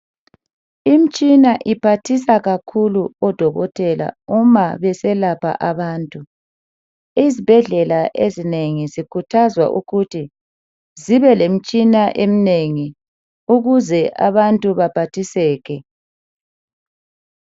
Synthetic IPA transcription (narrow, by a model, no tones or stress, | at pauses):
im̩t͡ʃʼinaʔipʰatʰisaɣakʰuluɔd̥ʱɔɣɔtʼɛla̰umaβɛsɛlapʰa̰ʔaβaːntʼu | izib̥ʱɛɮɛlaʔezineŋizikʰutʰazwa̰ʔṵɣutʰi | ziβɛlem̩t͡ʃʼinaʔemineŋi | uɣuzɛʔa̰βantʼuβab̥ʱatʰisɛːɣɛ